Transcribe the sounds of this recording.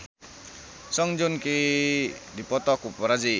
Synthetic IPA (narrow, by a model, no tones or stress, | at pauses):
sɔŋd͡ʒunki | dipɔt̪ɔkupɔɾad͡ʒi